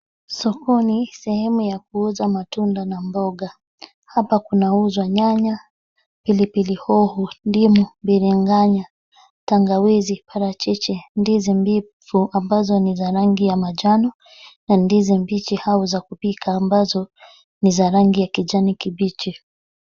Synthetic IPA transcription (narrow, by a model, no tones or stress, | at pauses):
sɔkɔnisɛhɛmujak̚uuzamatundanambɔɡa | hapakunauzwaɲaɲa | pilipilihɔhundimumbiɾiŋɡaɲa | taŋɡawizipaɾat͡ʃɛt͡ʃɛndizɛmbifuambazɔnizaɾaŋɡijamad͡ʒanɔ | nandizɛmbit͡ʃihauzakupikʰaːmbazɔ | nizaɾaŋɡijakid͡ʒanikibit͡ʃi